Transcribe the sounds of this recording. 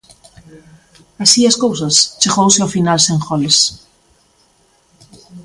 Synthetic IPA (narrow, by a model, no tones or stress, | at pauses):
asiaskowsɐst͡ʃeɣowsɪofinalsẽŋxɔles